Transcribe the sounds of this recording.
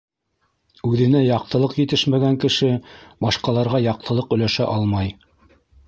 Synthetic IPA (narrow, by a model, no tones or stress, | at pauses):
ʉðɘ̆næjɑq̚t̪ɤ̆lˠɤqjɘ̆t̪ɘʃmæɡæŋkɘ̆ʃɘbɑʃqɑlˠɑɾʁɑjɑq̚t̪ɤ̆lˠɤqɵ̆læʃæ̰ʔɑlˠmɑj